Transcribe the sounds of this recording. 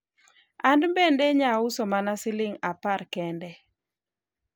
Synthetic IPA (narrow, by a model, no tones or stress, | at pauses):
andmbendeɲausomanasɪlɪŋaparkɛndɛ